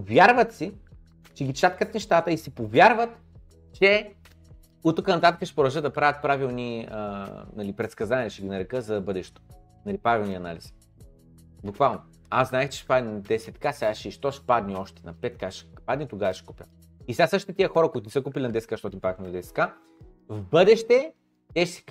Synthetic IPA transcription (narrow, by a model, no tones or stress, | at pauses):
vjaɾvət̪si | t͡ʃɛɡʲit͡ʃat̪kət̪nɛʃt̪at̪əisipovʲjaɾvət̪ | t͡ʃɛ | ut̪okənɐt̪at̪əkəʃɛ̥pʊɾɐʒəd̪d̪ɐpɾavʲət̪̚pɾavilˠniə̰nɐlipɾɛt̪skɐzanʲiɛlʲiʃɛɡʲinɐɾɛkəzɐd̪ɐbɤd̪ɛʃt̪o̥ | nɐlipɾavʲilˠniɐna̰lis | bukvalˠno | aznaɛxt͡ʃɛ̥ʃpad̪nʲinɐd̪ɛsɛt̪kasɛɡaʃɛiʃt̪ɔʃpad̪niɔʃt̪ɛ̥nɐpɛt̪̚kaʃpad̪nit̪oɡavɐʃɛ̥kupʲə̰ | isɛasɤʃt̪it̪ɛt̪iəxɔɾəkʊit̪ʊnɛsəkupilʲinɐd̪ɛsɛ̥kaʃt̪ɔt̪impɾavixmnɐd̪ɛsɛ̥t̪ka | vbɤd̪ɛʃt̪ɛ | t̪ɛʃsɛ̥